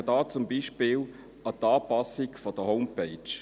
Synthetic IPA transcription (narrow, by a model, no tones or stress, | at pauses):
ədɑːt͡sʊmbiːʃpɪːl | ɑt̪ɑːpɑsɪɡfɔd̥əhoʊmpeɪt͡ʃ